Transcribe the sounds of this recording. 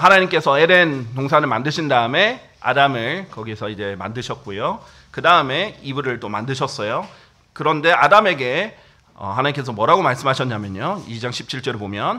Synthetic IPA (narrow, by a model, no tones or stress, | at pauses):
hanaɲimk͈e̞sʰʌeɾentoŋsʰanɯɭmandɯɕʰindaɯme̞ | a̰damɯɭkʌɡisʰʌid͡ʑe̞ma̰ndɯɕʰʌt̚k͈ojo | kɯdaɯme̞ibuɾɯɭt͈omandɯɕʰʌs͈ʌjo | kɯɾʌnde̞adame̞ɡe̞ | ʌ̰ɦanaɲimk͈e̞s̬ʰʌmwʌɾaɡomaɭs͈ɯmɦaɕʰʌnɲamjʌɲoid͡ʑaŋɕʰi̥p̚t͡ɕʰiɭt͡ɕ͈ʌɾebomjʌn